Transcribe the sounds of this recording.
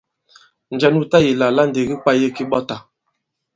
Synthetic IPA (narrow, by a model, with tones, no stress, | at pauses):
n̩˨d͡ʒɛ˦nu˦ta˦ji˨la˨la˦n˨de˨ɡi˦k͡pa˦je˦ki˦ɓɔ˦ta˨